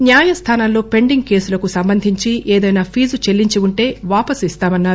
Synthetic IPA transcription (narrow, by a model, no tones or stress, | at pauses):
njaːjɐst̪ʰaːnaːlo̞ːpe̞ɳɖiŋɡ̚ke̞ːsulɐkusɐmbɐnd̪ʱiɲt͡ʃiʔeːd̪ɐjnaːpʰiːzut͡ʃe̞lːiɲt͡ʃiuɳʈe̞ːʋaːpɐsist̪aːmɐnːaːɾu